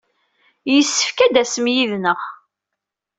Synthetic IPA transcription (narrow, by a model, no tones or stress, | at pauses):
jəsːə̥fkæd̪æsəmjiðnəʁ